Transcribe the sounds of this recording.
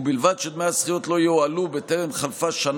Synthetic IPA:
bilvad̪ʃed̪measχijot̪lo̞joalubet̪eʁemχalfaʃan

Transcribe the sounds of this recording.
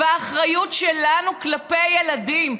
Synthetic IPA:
aːχʁajutʃelanuklapejeladim

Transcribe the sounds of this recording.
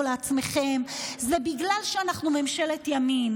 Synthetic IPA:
leat͡smeχe̞mzebiɡlalʃeanaχnumemʃe̞le̞tjamim

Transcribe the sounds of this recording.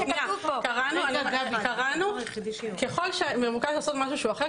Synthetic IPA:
nakaʁanuaɡavɡavkaʁanukeχolʃememukaʃlaːsot̪maʃuʃeuaχe

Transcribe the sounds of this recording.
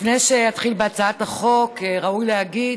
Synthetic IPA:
fnejʃejat̪χilbeat͡saataχo̞kʁaujlehaɡid

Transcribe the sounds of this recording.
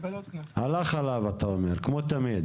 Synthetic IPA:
alaχalavat̪aomeʁkmot̪amid̪

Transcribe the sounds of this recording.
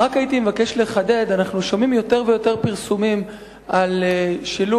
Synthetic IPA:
ʁakajit̪imevake̞ʃle̞χade̞danaχnuʃo̞mimjo̞te̞ʁvejo̞te̞ʁpiʁsumim | alʃilu

